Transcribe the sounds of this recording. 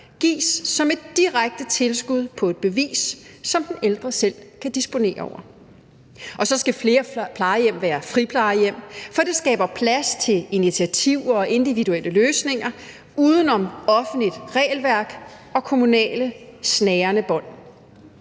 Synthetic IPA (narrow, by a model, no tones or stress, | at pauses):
ɡ̥ḭːsːɒ̽me̝d̥ːiʁaɡ̥̚d̥ət͡sʰe̝lsɡ̥uð̞ˠpʰɒ̽e̝d̥̚b̥e̝ʋḭːsːɒ̽md̥eneld̥ʁɐsel̰kʰæd̥isb̥o̝ne̝̰ːɐɒʊ̰ɐ | ʔɒ̽sɒ̽sɡ̥æfle̝ːɐpʰlɑ̈ɪjem̰ʋæːɐfʁipʰlɑ̈ɪjem̰fɒ̽d̥e̝sɡ̥ɛ̰ːb̥ɐpʰlæst͡sʰe̝linit͡sʰiæt͡sʰiʊ̰ɐɒ̽ʔe̝nd̥iʋiduelʔəløːsne̝ŋɐ | uːð̞ˠən̩ɒ̽mɒ̽fn̩lid̥ʁɛ̰ːlʋæɐɡ̥ | ɒ̽kʰo̝munɛ̰ːləsnɛːɐnəb̥ɒ̽n̰